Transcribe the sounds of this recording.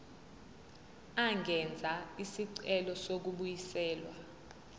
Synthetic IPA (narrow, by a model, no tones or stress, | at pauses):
aŋɡʱɛnd͡zʱaisiǀɛlɔsok̬uɓujisɛːlwa